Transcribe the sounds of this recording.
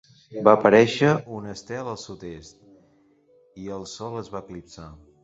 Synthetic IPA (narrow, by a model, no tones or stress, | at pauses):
baəpəɾɛʃəunəst̪ɛlˠəlˠsut̪est̪̚ | iəlˠsɔləzβaəklipsa